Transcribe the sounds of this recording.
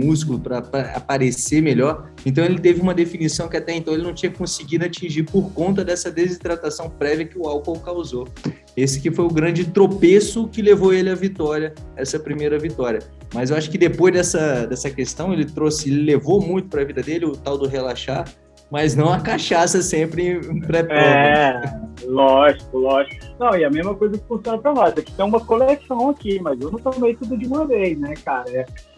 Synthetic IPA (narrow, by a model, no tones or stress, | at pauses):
mus̬kulʊpɾɐpɾɐa̰paɾesemeʎɔɾ | ẽnt̪ɐ̃w̃elɪt̪evɪũmɐd̪efinisɐ̃w̃kɪat̪ɛẽnt̪ɐ̃w̃elɪnɐ̃w̃t͡ʃĩɲɐkɪ̥kõsɪɡid̪ʊat͡ʃĩʒiɾpoɾkõnt̪̬ɐd̪ɛsɐd̪ezit̪ɾat̪asɐ̃w̃pɾɛviɐkɪʊawkowkawzo | esɪ̥kɪfojʊɡɾɐ̃d͡ʒɪt̪ɾopesʊkɪlevoelɪɐvit̪ɔɾiɐɛsɐpɾimejɾɐvit̪ɔɾjiɐ | mɐzewaʃʊ̥kɪd̪epojzd̪ɛsɐd̪ɛsɐkest̪ɐ̃w̃elɪt̪ɾosɪelɪlevomũj̃t̪ʊ̥pɾɐvid̪ɐd̪elɪʊt̪awd̪ʊɦelaʃaɾ | mɐznɐ̃w̃ɐkaʃasɐsẽpɾɪ̃pɾɛpɛ | lɔʒikʊlɔʒikʊnɐ̃w̃ɛɐmezmɐkojzɐkɪ̥fũsiõnɐpɾɐnɔsɛpt̪ẽũmɐkolesɐ̃w̃akimɐzewnɐ̃w̃t̪omejt̪ud̪ʊd͡ʒɪũmɐvejznɛkaɾɐɛ